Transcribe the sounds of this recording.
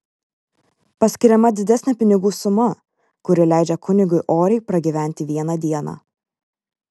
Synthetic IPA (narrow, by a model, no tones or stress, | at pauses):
pɐsʲkʲɪɾʲɛmɐd̪ʲɪd̪ʲæsʲnʲɛpʲɪnʲɪɡuːsʊmɐ | kʊɾʲɪlʲæˑɪd͡ʒʲɛkʰʊnʲɪɡʊɪʔoːɾʲɛɪpɾɐɡʲiʋʲæˑnʲt̪ʲɪʋʲiɛnɐd̪ʲiɛnɑ̰ː